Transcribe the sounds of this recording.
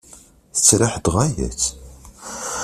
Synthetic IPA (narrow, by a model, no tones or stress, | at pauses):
θə̥t͡sːɾaħd̪ʁæjæ̰t͡sː